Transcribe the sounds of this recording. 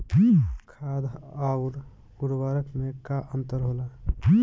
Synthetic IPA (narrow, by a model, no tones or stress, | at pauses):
kʰad̪auɾ | uɾbaɾəkmekaʔənt̪əɾɦola